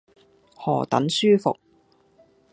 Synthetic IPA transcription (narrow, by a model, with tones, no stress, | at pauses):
hɔː˨˩t̪ɐ̰˨˥nsyː˥fʊ̰˨k̚